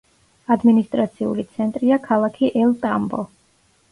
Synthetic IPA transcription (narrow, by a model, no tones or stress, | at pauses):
ad̪minist̪ʼɾat̪sʰiṵlit̪sʰɛnt̪ʼɾiakʰalˠakʰiʔɛlt̪ʼambɔ̰